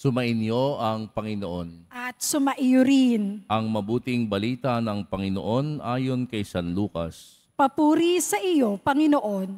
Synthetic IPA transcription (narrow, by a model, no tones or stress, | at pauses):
sʊmɐʔɪnjo̞ɐŋpɐŋɪnoʔonʔɐt̪̚sʊmɐʔɪjʊɾɪnʔɐŋmɐbuːt̪ɪŋbɐliːt̪ɐnɐŋpɐŋɪno̰ʔo̞nʔaːjo̞nkɐjsɐnluːkɐ̰s | pɐpuːɾisɐʔɪjo̞pɐŋɪnoʔon